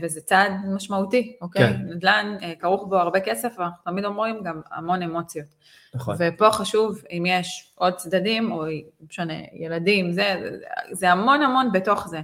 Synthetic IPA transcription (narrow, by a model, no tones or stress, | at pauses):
vezet͡sadmaʃmautiokejnad̪lanekaʁuχbo̞aʁbe̞ke̞se̞fanaχnut̪amid̪o̞mʁimɡama̰mo̞ne̞mo̞t͡sjo̞t̪ | vepo̞χaʃuvimjeʃʔo̞d̚t͡sd̪adimo̞ʃonḛjeladimzḛzeamo̞namo̞nbeto̞χze